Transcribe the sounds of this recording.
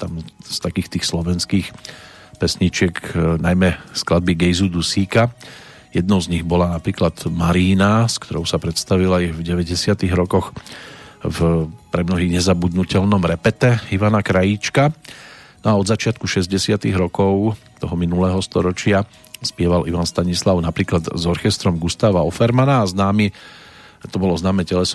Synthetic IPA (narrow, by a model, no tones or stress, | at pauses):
t̪amst̪akiːxt̪iːxslɔʋɛnskiːx | pɛsɲit͡ʃɪɛknajmɛsklad̪̚biɡɛjzud̪usiːka | jɛd̪nɔʊzɲiɣbɔlanapɾiːklad̪maɾiːnaskt̪ɔɾɔʊsapɾɛt̪st̪aʋilaivɟɛʋɛɟɛsɪat̪iɣɾɔkɔx | vpɾɛmnɔɦiːɣɲɛzabud̪nucɛlnɔmɾɛpɛt̪ɛiʋanakɾajit͡ʃka | nɔaɔd̪zat͡ʃɪat̪̚kuʃɛzɟɛsɪat̪iɣɾɔkɔʊt̪ɔɦɔminulɛːɦɔst̪ɔɾɔt͡ʃɪa | spɪɛʋaliʋanst̪aɲislaʊnapɾiːklad̪zɔɾxɛst̪ɾɔmɡust̪aːʋaɔfɛɾmanaːznaːmi | t̪ɔbɔlɔznaːmɛcɛlɛs